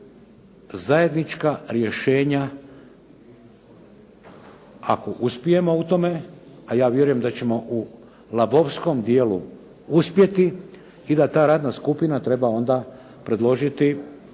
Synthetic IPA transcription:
zaje̞d̪nit͡ʃkaɾje̞ʃe̞ːɲa | a̰ko̞ʔuspije̞mo̞ut̪o̞me̞ajaːʋje̞ɾujemd̪at͡ɕe̞mo̞ʔu | lˠabo̞ʋsko̞md̪jeːlu | uspje̞t̪i | id̪at̪aːɾaːd̪naskupinat̪ɾe̞bao̞nd̪a | pɾe̞d̪lˠo̞ʒit̪i

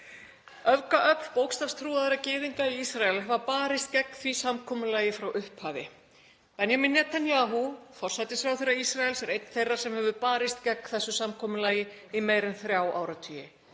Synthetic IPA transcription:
œvkaʔœpn̥powkst̪afst̪ʰɾuːaðɪɾacɪːðiŋkaiisɾaɛlvaɾpaːɾɪst̪̚cɛkːθvisamkʰɔːmʏlaːjɪfɾawʔʏhphaːvɪ̰ | pɛnjaminːɛt̪ʰanjaːɦufɔr̥sajt̪ɪsfɾawθɪjɾːaisɾaɛlsɛɾejt̪n̥θejrːaɾ̥sɛmhɛvʏpaːɾɪst̪cɛkːθɛsːʏsamkʰɔːmʏlaːjɪ | imeːjɾɪnθɾjaːwa̰ːwɾat̪ʰyːjɪ

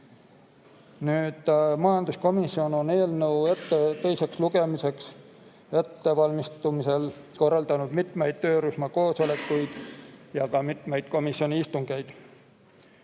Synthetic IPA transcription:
nyːd̪̥mɑjɑnd̪̥usko̞misːio̞no̞ne̞ːlnəwet̪ːet̪e̞jse̞ksluɡ̥e̞mise̞ks | et̪ːe̞vɑlmist̪umise̞lko̞rːɑld̪̥ɑnud̪̥mit̪ˑmejd̪̥t̪ø̞ːɾusmɑko̞ːso̞le̞kːujd̪̥jɑkɑmit̪ˑmejd̪̥ko̞misːio̞nʲiist̪uŋɡ̥ejd̪̥

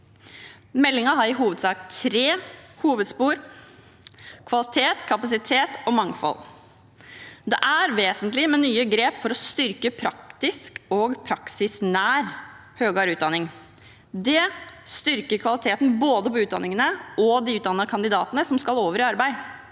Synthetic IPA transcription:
mɛlːɪŋɑɦɑɾɪɦuːʋəd̪sɑːkt̪ʰɾeːhuːʋəd̪spuːɾ | kʰʋɑlɪt̪ʰeːt̪kʰɑpɑsɪt̪ʰeːt̪ɔmɑŋfɔ̰l | d̪ɛʔæɾʋeːsənt̪lɪmɛnyːəɡɾeːpfɔɾɔst̪ʏɾkəpʰɾɑk̚t̪ɪskɔɡpʰɾɑksɪsnæːɾhøːɡɑːɾʉːd̪ɑnɪŋ | d̪ɛst̪ʏɾkəɾkʰʋɑlɪt̪ʰeːt̪n̩boːd̪əpɔʉːd̪ɑ̰nːɪŋənəɔd̪iʉːt̪d̪ɑnːɑkʰɑnd̪ɪd̪ɑːt̪ənəsɔmskɑloːʋəɾɪɑɾbæɪ

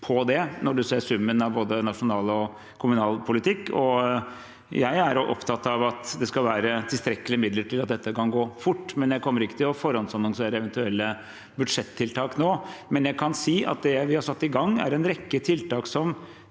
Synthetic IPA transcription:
pʰɔd̪ɛnɔɖʉseːʂʉmːənɑʋboːd̪ənɑʂʊnɑːlɔ | kʰʊmʉnɑːlpʰʊlɪt̪ɪkːɔ | jæɪæɾʔɔ̰pt̪ʰɑt̪ːɑʋɑt̪d̪ɛskɑlʋæːɾət̪ʰɪlst̪ɾɛkːəlɪəmɪd̪ləʈɪlɑt̪̚d̪ɛt̪ːəkɑnɡoːfʊʈːmɛnjæɪkʰɔmːəɾɪkːə̥t̪ʰɪlɔfɔɾɑnsɑnɑŋseːɾəɛʋɛnt̪ʉɛlːə | bʉd̪ʂɛt̪ʰːɪlt̪ʰɑːknoːmɛnjæɪkʰɑnsiːʔɑ̰t̪̚d̪ɛʋɪhɑɾʂɑt̪ːɪɡɑŋːæ̰ɾɛnɾɛkːət̪ʰɪlt̪ɑːksɔm

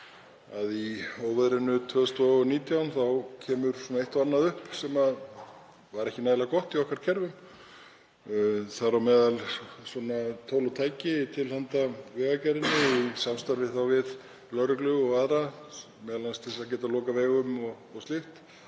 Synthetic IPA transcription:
aðioːwvɛðɾɪnːʏt̪ʰvœːðʏst̪vaɔniːt̪jawnθawcʰɛːmʏɾ̥sɔnaeht̪vanːaðʏhpsɛmað | vaɾɛhcɪnaːðlakɔht̪iɔhkaɾ̥cʰɛɾvʏm | θaɾawmɛːðalsɔnat̪ʰoːwlawt̪ʰaːjcɪt̪ʰɪlhant̪avɛːɣacɛɾɪnːʏisamst̪aɾvɪθawvɪð | lœɾʏklʏɣɔɣaðɾa | mɛːðalanst̪ʰθɛs̬acɛːt̪alɔːkaveːɣʏmɔɣ | ɔɣst̪ɪft̪

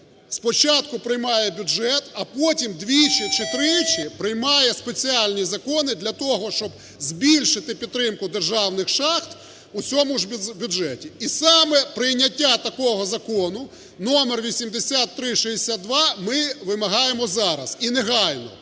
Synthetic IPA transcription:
spɔt͡ʃɑt̪kʊpɾɪjmɑjɛbʲuʒɛt̪ɐpɔtʲimd̪ʋʲit͡ʃɪt͡ʃɪt̪ɾɪt͡ʃɪpɾɪjmɑjɛspe̞t͡sʲialʲnʲizɐkɔnɪd̪lʲɐt̪ɔɦɔʃt͡ʃɔb | zbʲilʲʃɪt̪ɪpʲid̪ːɾɪmkʊd̪erʒɑwnɪxʃɑxt̪ | ʊt͡sʲɔmʊʒʲbʲʊʒɛtʲiisɑmɛpɾɪjnʲːɐtʲːat̪ɐkɔɦɔzɐkɔnʊ | nɔmerʋʲisʲimd̪esʲat̪ːɾɪʃɛɦesʲad̪̚d̪ʋɑmɪʋɪmɐɦɑjemɔzɑɾɐzineɦɑjnɔ̰

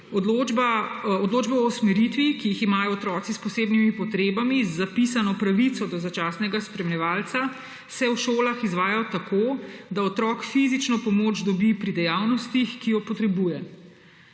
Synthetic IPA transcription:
ɔobaɔd̪loːd͡ʒbɛɔsmɛɾit̪ʋikijiximaːjɔːt̪ɾɔːt̪sispɔseːbnimipɔt̪ɾeːbamizːapisanɔpɾaʋit̪sɔd̪ɔzat͡ʃaːsnɛɡaspɾɛmlʲɛʋaːlt̪sa | sɛwʃoːlaxizʋaːjaɔt̪akʰoːd̪aɔt̪ɾɔːkfizit͡ʃnɔpɔmod͡ʒd̪ɔbipɾid̪ɛjawnɔst̪ixkijɔpɔt̪ɾɛbujɛ

